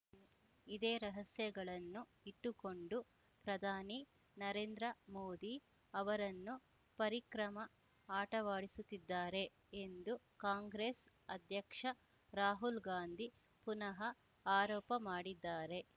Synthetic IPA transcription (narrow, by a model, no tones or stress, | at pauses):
id̪eːɾɐɦɐsjɐɡɐɭɐnːu | iʈːuko̞ɳɖu | pɾɐd̪ʱaːni | nɐɾeːnd̪ɾɐmoːd̪i | ɐʋɐɾɐnːu | pɐɾikɾɐmɐ | aːʈɐʋaːɽisut̪ːid̪ːaːɾe̞ | end̪u | kaːŋɡɾeːs | ɐd̪ʱjɐkʂɐ | ɾaːɦulɡaːnd̪ʱi | punɐɦɐ | aːɾɔːpɐmaːɽid̪ːaːɾe̞